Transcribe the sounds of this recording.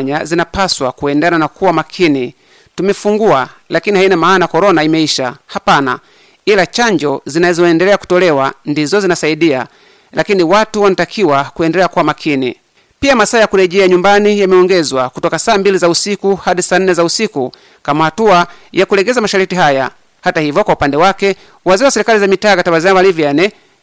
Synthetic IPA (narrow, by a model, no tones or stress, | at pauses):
ɲazinapaswakuɛndananakʰuwamakʰini | tumɛfuŋɡualakinihainamaːnakɔɾɔnaimɛiʃahapana̰ | ilat͡ʃaɲd͡ʒɔzinazɔɛndɛlɛaku̥tɔlɛwandizɔzinasaiɗia | lakiniwatuwanatakʰiwakuɛndɛlɛakuwamakʰinḭ | piamasaːjakuɾɛʄɛaɲumbanijamɛɔŋɡɛzwakutɔkasaːmbilizausikuhaɗisaːn̩nɛzausiku | kamahatuajakulɛɡɛzamaʃaɾitiɦaja | hatahivjɔkwaupandɛwakɛ | waziɾwasɛɾikalizamitaːkatabazavalivjjanɛ